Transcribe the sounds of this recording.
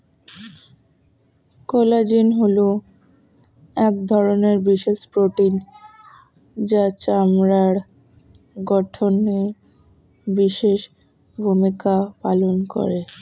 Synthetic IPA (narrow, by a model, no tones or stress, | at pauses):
kɔlad͡ʑinɦolo | ɛk̚d̪ʱɔɾoneɾbiʃeʃpɾoʈin | d͡ʑat͡ɕamɾaɾ | ɡɔʈʰone | biʃeʃ | bʱumikapa̰lonko̰ɾe